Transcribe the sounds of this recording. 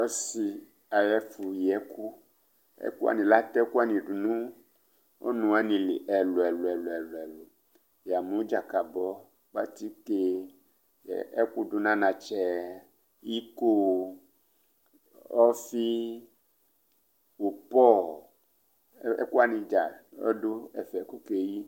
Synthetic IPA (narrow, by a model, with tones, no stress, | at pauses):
ɔ˦si˨ | a˨jɛ˦fu˨jɛ˨˦ku˦ | ɛ̰˦ku˦a̰˨nĩ˨la˦t̪ɛ˦ku˦a˦nĩ˨ɖu˨nũ˦ | o̰˦nũ˨a˦nĩ˨lḭ˨ʔɛ˨lo˨ɛ˨lɛ˨lo˨ɛ˨lo˨ɛ˨lo˨ | ja˨mũ˨˦d͡ʒa˨ka˨bɔ˦ | ba̰˦t̪i˦ke˦ | ɛ̰˨ɛ˦ku˦ɖo˦nã˦nã˨t͡ʃɛ˦ | i˦ko˦ | ɔ˦fi˦ | wo˨pɔ˦ | ɛ̰˦ku˦a˨nĩ˨d͡ʒa˨ɔ̰˦do˦ɛ̰˨fɛ˨ku˦ke˨ji˦